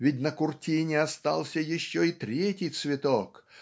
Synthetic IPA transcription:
vʲɪt̬̚ʲnəkʊrtʲinʲɪast̪alˠsʲəjɪɕːoit̪ɾʲetʲɪjt̪svʲɪt̪ok

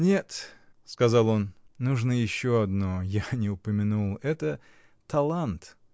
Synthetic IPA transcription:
nʲe̞t̪ | skɐzalˠo̞nːuʐnəjɪɕːoɐd̪nojanʲɪʊpəmʲɪnulˠɛt̪ə | t̪ɐlˠant̪

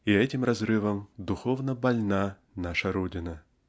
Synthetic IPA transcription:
iɛtʲɪmrɐzɾɨvəmd̪ʊxo̞vnəbɐlʲna | naʂəɾodʲɪnə

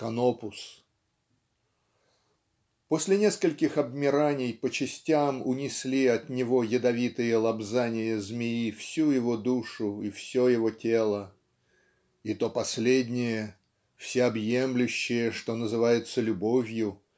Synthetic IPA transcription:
kɐnopʊs | po̞sʲlʲɪnʲe̞skəlʲkʲɪxɐbmʲɪɾanʲɪjpət͡ɕɪsʲtʲamʊnʲɪsʲlʲiɐt̪nʲɪvo̞jɪd̪ɐvʲit̪ɨjəlˠɐbzanʲɪjəzmʲɪifsʲujɪvo̞d̪uʂʊifsʲojɪvo̞tʲe̞lˠə | it̪o̞pɐsʲlʲedʲnʲɪjə | fsʲeɐbjemlʲʉɕːɪjəʂt̪o̞nəzɨvajɪt̪səlʲʊbo̞vʲjʊ

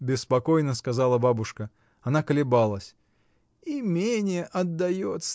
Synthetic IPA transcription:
bʲɪspɐkojnəskɐzalˠəbabʊʂkə | ɐnakəlʲɪbalˠəsʲ | imʲenʲɪjəʔɐd̪ːɐjot̪s

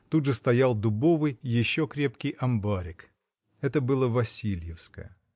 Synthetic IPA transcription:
t̪udʐɨst̪ɐjalˠd̪ʊbo̞vɨjjɪɕːokɾʲe̞pkʲɪjʔɐmbaɾʲɪk | ɛt̪əbɨlˠəvɐsʲilʲjɪfskə̰jə

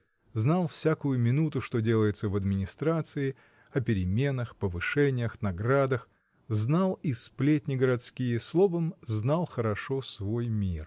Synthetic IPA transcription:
znalˠfsʲakʊjʊmʲɪnut̪ʊʂt̪o̞dʲe̞lˠəjɪt̪səvɐd̪mʲɪnʲɪst̪ɾat̪sɨɪ | ɐpʲɪɾʲɪmʲe̞nəxpəvɨʂɛnʲɪjəxnɐɡɾad̪əx | znalˠisplʲet̪ʲnʲɪɡəɾɐt̪skʲijəslˠo̞vəmznalˠxəɾɐʂo̞svo̞jmʲir

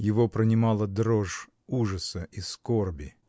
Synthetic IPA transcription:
jɪvopɾənʲɪmɑlˠəd̪ɾoʐ | uʐəsəʔiskorbʲɪ

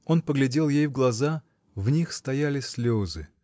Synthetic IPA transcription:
o̞npəɡlʲɪdʲe̞lˠjejvɡlˠɐza | vnʲixst̪ɐjalʲɪsʲlʲozɨ

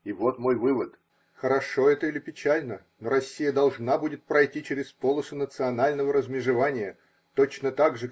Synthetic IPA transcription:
ivot̪mojvɨvət̪ | xəɾɐʂo̞ɛt̪əilʲɪpʲɪt͡ɕælʲnə | noɾɐsʲːijəd̪ɐlˠʐnabudʲɪt̪̚pɾɐjtʲit͡ɕeɾʲɪspolˠəsʊnət̪sɨɐnalʲnəvəɾəzmʲɪʐɨvanʲɪjə | t̪ot͡ɕnət̪aɡʐɨ

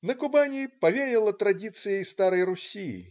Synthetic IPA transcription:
nɐkubanʲipavʲeɾʲɛlˠɐt̪ɾadʲit̪sɨjɐjst̪aɾɐjrusʲijḭ

